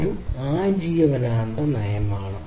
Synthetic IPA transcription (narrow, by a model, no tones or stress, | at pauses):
ɾumaːd͡ʑiːʋɐʋɐnaːɐnd̪ɐnɐjɐmaːɳɐ